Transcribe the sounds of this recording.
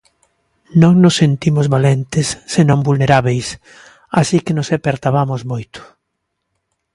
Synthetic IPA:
nõŋnosːent̪imozβalent̪ɪsːenõŋbulneɾaβejs | asikɪnosepeɾt̪aβamozmojt̪ʊ̥

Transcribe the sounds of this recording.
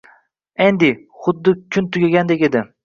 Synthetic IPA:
end̪ɪ | χʊd̪ːɪkʲʰʊnt̪ʰʊɡʲaɡʲand̪e̞kʲe̞d̪ɪ

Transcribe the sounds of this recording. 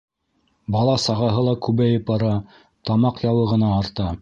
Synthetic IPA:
bɑlˠɑsɑʁɑɦɤlˠɑkʉβæjɘp̚ɑɾɑ | t̪ɑmɑqjɑwɤ̆ʁɤ̆nɑːɾt̪ɑ

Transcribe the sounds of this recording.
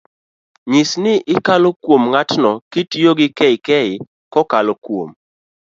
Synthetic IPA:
ɲisnɪʔɪkalokwomŋatnɔkitioɡɪkɛɪkɛɪ | kɔkalokwom

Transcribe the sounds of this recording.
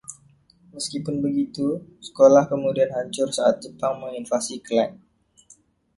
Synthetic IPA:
məskipʊnbəɡit̪usə̥kolahkəmudianɦaɲt͡ʃʊrsaʔat̪̚d͡ʒəpaŋməŋinfasiklan

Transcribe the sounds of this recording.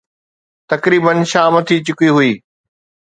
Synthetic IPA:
t̪ɐkɾiːbənʃaːmɐt̪ʰit͡ɕɪkiɦʊiː

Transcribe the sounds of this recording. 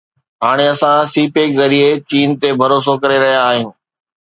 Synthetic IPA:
ɦaːɽ̃eɐsãsiːpeːkzɐɾiet͡ɕiːnt̪ebʱɐɾoːs̬okɐɾeɾɐɦijaːɦijũː

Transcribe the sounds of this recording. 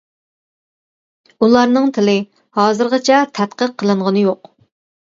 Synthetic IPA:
ulˠɑɾnɨŋt̪ʰɪlɪ | hɑːzɨɾʁət͡ʃʰɛt̪ʰɛt̪qəqʰːəlˠɨɴʁənɨjoq

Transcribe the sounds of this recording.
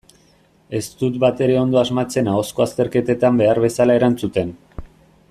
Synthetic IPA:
e̞st̪ut̪̚bat̪e̞ɾe̞o̞nd̪o̞azmat͡se̞nao̞sko̞ast̪e̞ɾke̞t̪e̞t̪ambe̞aɾβe̞salae̞ɾant͡sut̪en

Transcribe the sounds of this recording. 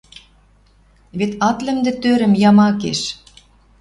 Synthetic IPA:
βet̪ɑt̪lɘ̆md̪ĕt̪øɾɘ̆mjɑmɑkḛʃ

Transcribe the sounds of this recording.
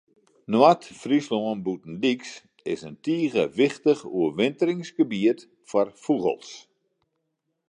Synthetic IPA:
nwatfrisloənbutn̩diks | ɪsəntiːɣəʋɪxtəχṵəʋɪntəɾɪŋsɡəbiət | fɔrfuɣə̰lˠs

